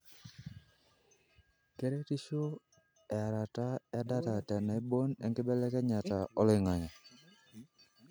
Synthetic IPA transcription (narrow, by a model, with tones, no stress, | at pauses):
ke˦ɾe˦ti˦ʃo˦ | ɛ˨a˨ɾa˨ta˦ɛ˦a˦da˦ta˨tɛ˨na˨i˦bo˦nɛ̰˦ŋkɪ˦bɛ˦lɛ˦kɛ˦ɲa˨ta˨ɔ˦lɪ˨ŋa˨ɲa˨